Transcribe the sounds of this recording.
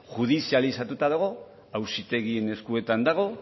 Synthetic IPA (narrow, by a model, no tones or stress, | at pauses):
ʝuð̞isialisat̪ut̪aðoɣ̞o̞ | awsit̪e̞ɣie̞ne̞skue̞t̪and̪aɣ̞o̞